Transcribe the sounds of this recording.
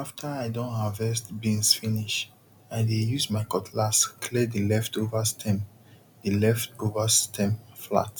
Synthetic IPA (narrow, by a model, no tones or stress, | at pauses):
aftʰəaɪdõnavvɛstbĩnsfiniʃ | aɪdejusmaɪkɔtʰlaskʰledilɛftovastʰɛ̃m | dilɛftovastʰɛ̃mfla̰t